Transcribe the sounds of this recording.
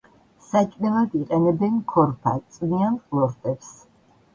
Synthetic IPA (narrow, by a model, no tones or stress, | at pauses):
sat͡ʃʼmɛlˠad̪iqʼɛnɛbɛnkʰɔɾpʰa̰t̪sʼnianχʼlˠɔɾt̪ʼɛps